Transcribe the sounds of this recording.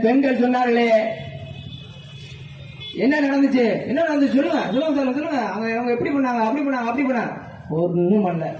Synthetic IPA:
pɛɳɡɐlsɔnːaːɾɣɐleː | ɛnːɐnɐɽɐnd̪ɯt͡ʃːɯɛnːɐnɐɽɐnd̪ɯt͡ʃːs̬ɔlːɯŋɡɐsʊlɐɐms̬aːlɯɡɐs̬ɔlːɯŋɡɐɐŋɡɐɐŋɡɐɛpːɐɽipɐɳːaːŋɡɐɐpːɐɽipɐɳːaːŋɡɐpːɐɽip̬ɐɳːaːŋɡɐ | ɔɾɯnːumɐnlɐ

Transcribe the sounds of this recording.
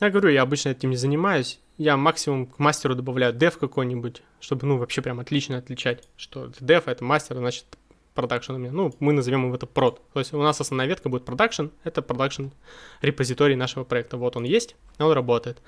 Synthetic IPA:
jaɡəvɐɾʲujaɐbɨt͡ɕnəɛɛtʲɪmnʲɪzənʲɪmajʊsʲ | jamaksʲɪmʊmkmasʲtʲɪɾʊd̪əbɐvlʲæjʊd̪ɛfkɐko̞jnʲɪbʊtʲ | ʂt̪o̞bɨnuvɐpɕːe̞pɾʲamɐt̪lʲit͡ɕnəɐt̪lʲɪt͡ɕætʲʂt̪o̞ɛt̪əd̪ɛfɛt̪əmasʲtʲɪrznat͡ɕɪ̥t̪ | pɾɐd̪akʂɨnʊmʲɪnʲanumɨnəzɐvʲo̞mɨvɛt̪əpɾo̞t̪t̪o̞jɪsʲʊnasɐsnvnajvet̪kəbudʲɪt̪̚pɾɐd̪akʂənɛt̪əpɾɐd̪akʂɨnɾʲɪpəzʲɪt̪o̞ɾʲɪːnaʂɨvəpɾɐɛk̚t̪əvo̞t̪o̞njesʲtʲ | o̞nrɐbo̞t̪əjɪt̪

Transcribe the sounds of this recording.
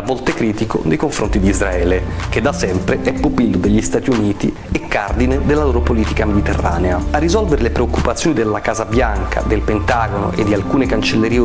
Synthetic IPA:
avːɔlt̪ekɾiːt̪iko̰nejkoɱfɾont̪id̪izɾaɛːlek̟ed̪ːasɛmpɾeʔɛpːopilːod̪eʎːist̪aːt̪iuniːt̪ḭ | ekːard̪ined̪elːaloːɾopoliːt̪ikamed̪it̪erːa̰ːneaarːizɔlveɾelepɾeokːupat̪sːjoːnid̪elːakaːzabjaŋkʰa̰d̪elpent̪aːɡono̰ʔḛd̪ːialkuːnekant͡ʃelːeɾiː

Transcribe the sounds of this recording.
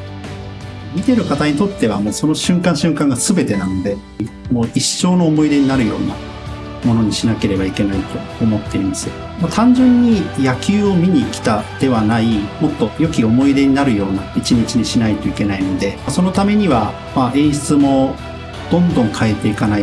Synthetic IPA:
mʲit̪e̞ɾɯ̟kat̪aɲ̟it̪o̞t̪ːe̞βa̰mo̞ːso̞no̞ɕɨ̃ŋkãɰ̃ɕɨ̃ŋkãŋɡasɨbe̞t̪e̞nano̞d̪e̞ | moːiɕo̞ːno̞ːmo̞id̪e̞ɲ̟inaɾɯ̟jo̞̰ːna | mo̞no̞ɲ̟iɕinake̞ɾe̞baike̞nait̪o̞ːmo̞t̪ːe̞ɾĩmasɨ | mat̪ʰãɲ̟d͡ʑɨ̃ɲ̟ːijakʲɨːo̞mʲiɲ̟ikʲi̥t̪ad̪̥e̞βanaimo̞t̪ːo̞jo̞kʲio̞mo̞id̪e̞ɲ̟inaɾɯ̟jo̞ːnait͡ɕiɲ̟it͡ɕiɲ̟iɕinait̪o̞ike̞naino̞d̪e̞maso̞no̞t̪ame̞ɲ̟iβa | maẽ̞ɰ̃ɕi̥t͡sɨmo̞ | d̪̥õ̞nd̪õ̞ŋkʰae̞t̪ːe̞ikanai

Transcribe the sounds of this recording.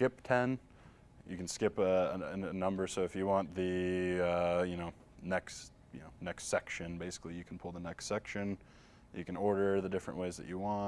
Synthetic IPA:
kɪp̚tʰɛ̃n | jɨkn̩skɪpəɨɨnʌ̃mbə˞soʊɨfjɨwɑ̃nðɨʌjɨñoʊ | nɛks | jɨnoʊnɛkstsɛkʃɨ̃nbeɪsɨ̥klijɨkʰn̩pʰʊlˠðənɛkstsɛkʃɨ̃n | jɨkɨ̃nɔɹɾə˞ðɨdɪfɹə̰̃nʔweɪzðɨ̰t͡ʃɨwɑ̃

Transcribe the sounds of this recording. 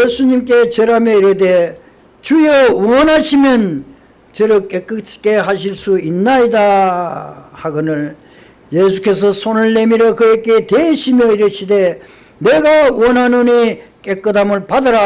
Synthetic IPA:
jesʰuɲimk͈e̞t͡ɕeɾamjʌiɾɯde̞ | t͡ɕuiʌuʌnɦaɕʰimjʌn | t͡ɕɯɾɯk͈ek͈ɯt͡ɕʰk͈e̞ɦaɕʰiɭs͈uinːaida | haɡɯnɯɭ | jesʰu̥k͈e̞s̬ʰʌsʰonɯɭːe̞miɾʌkɯjek͈e̞t̪eiɕʰimjʌiɾɯɕʰide̞ | ne̞ɡawʌnɦanonik͈e̞k͈ɯdamɯɭpadɯɾa

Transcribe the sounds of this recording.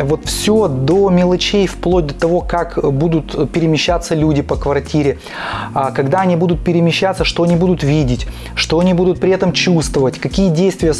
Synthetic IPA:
vo̞t̪fsʲod̪omʲɪlˠɐt͡ɕejfplˠod̚ʲd̪ət̪ɐvo̞kakbud̪ʊt̪pʲɪɾʲɪmʲɪɕːat̪sːəlʲudʲɪpəkvɐrtʲiɾʲɪ | kɐɡd̪aɐnʲibud̪ʊt̪̚pʲɪɾʲɪmʲɪɕːat̪səʂt̪o̞ɐnʲibud̪ʊt̪vʲidʲɪtʲ | ʂt̪o̞ɐnʲibud̪ʊt̪̚pɾʲɪɛt̪əmt͡ɕust̪vəvətʲkɐkʲijədʲejst̪vʲɪjə

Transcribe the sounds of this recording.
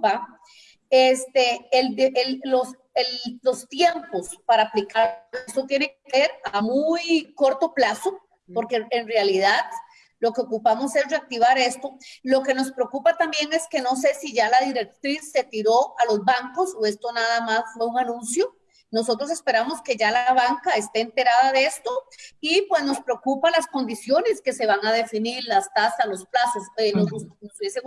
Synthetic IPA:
pa | est̪eld̪eellos | elːost̪je̞mpospaɾaːplikast̪ot̪je̞nekeseɾamujko̞ɾt̪o̞plaso | poɾkeenrealiðað | lo̞keokupamose̞zreak̚t̪iβ̞aɾe̞st̪o̞lo̞ke̞no̞spɾeokupat̪ambje̞ŋe̞ske̞no̞s̬e̞siʝalaðiɾe̞k̚t̪ɾisːe̞t̪iɾoʔalozbaŋkosoe̞st̪onaðamasfwe̞uŋanũnsjo | no̞so̞t̪ɾos̬e̞spe̞ɾamoske̞ʝalaβaŋkaest̪e̞ːnt̪e̞ɾaðaðe̞st̪oipwe̞zno̞spɾeokupalasko̞nd̪isjo̞ne̞ske̞se̞βaŋað̞e̞finiɾlast̪asaslosplasosenonosuβjese

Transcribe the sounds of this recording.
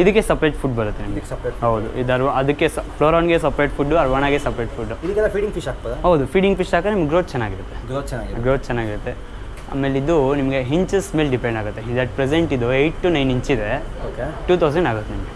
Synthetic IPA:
id̪ɐkːesɐpɾɐjʈpʰuɖbɐɾut̪ːenimɐɡeɐpɦɐwd̪ṵʔid̪ɐɾʋɐd̪ɐkːespʰɾoːɾaːnɡesɐpɾɐjʈpʰuɖːuɐɾʋɐːnaːɡesɐpɾejʈpʰuɖːuid̪ɐkːɛlːafiːɖiŋɡfiʃaːk̚boːd̪aɦɐwd̪upʰiːɖiŋɡpiʃaːkɐnimɡeɡɾoːt̪t͡ʃɛnːaːɡiɾut̪ːeɾoaɡɡɾoːt̪̚t͡ʃɛnːaːɡiɾut̪ːe | a̰ːmelid̪unimɐɡeɦiɲt͡ʃsmelɖipeɳɖaːɡut̪ːeɦiɲd͡ʒɐʈ̚pɾeseɳʈid̪uejʈːunɐjniɲt͡ʃid̪e̞okʈuːt̪ʰɐwsɐɳɖaːɡut̪ːenimɐɡe

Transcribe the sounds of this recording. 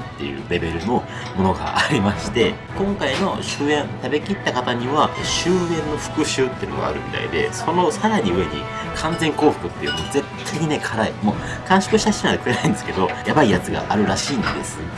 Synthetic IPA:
t̪ːe̞jɯ̟̰ɾe̞be̞ɾɯ̟no̞ | mo̞no̞ɡa̰ʔːɾʲimaɕi̥t̪e̞ | kõ̞ŋkaino̞ɕɨːẽ̞nt̪abe̞kʲit̪ːakat̪aɲ̟iβaɕɨːẽ̞nːo̞ɸɯ̟̥kɯ̟ɕɨːt̪ːeiɯnoɡa̰ːɾɯ̟̰mʲit̪a̰ḭd̪e̞̰so̞no̞saɾaɲ̟iɯ̟e̞ɲ̟ḭ | kʰãnd͡zẽ̞ŋko̞ːɸɯ̟̥kɯ̟t̪ːe̞jɯ̟moːd͡ze̞t̪ʰːaiɲ̟ine̞kʰaɾaimo̞ | kãɰ̃ɕo̥kɯ̟ɕi̥t̪ai̥inad̪ekɯ̟ɾenaĩnd̪e̞sɨ̥ke̞d̪o̞jabaijat͡sɨɡa̰ʔaɾɯ̟ɾaɕiːnd̪e̞sɨ

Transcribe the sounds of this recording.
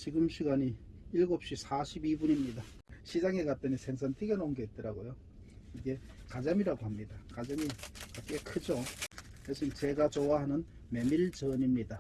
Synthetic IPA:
t͡ɕiɡɯmɕʰiɡaɲi | iɭɡop̚ɕ͈isʰaɕʰibibuɲimɲida | ɕʰid͡ʑaŋekat͈ɯnisʰeŋs̬ʰʌntʰɯɡenoŋɡeɦet̚t͈ɯɾaɡojo | iɡe̞ | kad͡ʑamiɾaɡoɦamɲidakad͡ʑamikak͈e̞kʰɯd͡ʑo | jes͈ʰɯimt͡ɕe̞ɡat͡ɕowaɦanɯn | me̞miɭt͡ɕʌɲimɲida

